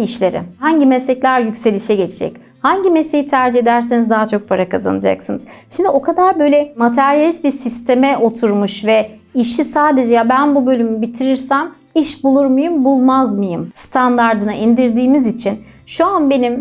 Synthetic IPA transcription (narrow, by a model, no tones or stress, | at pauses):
iʃlʲeɾḭhaɲɟimɛslɛclʲæɾjycʲse̞lʲiʃɛɟe̞t͡ʃʰed͡ʒɛ̰c | haɲɟimese̞jit̪ʰæɾd͡ʒie̞d̪æɾs̬enizd̪aɦat͡ʃʰo̞k̚pʰaɾakʰaza̰nɯd͡ʒa̰ksɯnɯz̥ʃimd̪io̞kʰad̪aɾbø̞jlʲɛmat̪ʰæɾjalʲist̪̚biɾsist̪ʰe̞mɛʔo̞t̪ʰuɾmuʃvɛiʃisaːd̪e̞d͡ʒɛjabænbubø̞lʲymybit̪ʰiɾiɾsæm | iʃbulˠuɾmajɯmbulˠmazmɯjɯmst̪ʰand̪aɾd̪ɯnɯʔind̪iɾd̪iːmizit͡ʃʰin | ʃuanbe̞nim